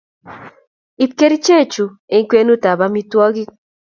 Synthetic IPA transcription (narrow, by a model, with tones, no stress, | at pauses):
i˨˦p̚ke˦ɾi˦t͡ʃe˦˨t͡ʃu˨ | e˦ŋ˦kwe˦nu˦ta˨ba˦mi˦twɔ˦ɡi˦